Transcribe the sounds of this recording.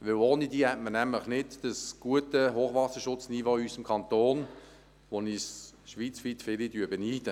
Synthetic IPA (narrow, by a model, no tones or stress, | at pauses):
ʋɪwoːnidiːhɛtmənɛmləχnɪdd̥əsɡ̥uətəɦoːχʋɑsəʃʊt͡snivoːysəmkʰɑnt̪oːn | ʋonisʃʋiːt͡sfiːtfɪlidyːbɛniːd̥ə